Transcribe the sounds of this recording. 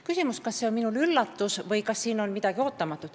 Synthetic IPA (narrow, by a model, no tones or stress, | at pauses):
kysʲimuskɑsːe̞o̞nminulylːɑt̪ːusvɤjkɑsːiːno̞nmid̪̥ɑɡ̥io̞ːt̪ːˑɑmɑt̪ˑːut̪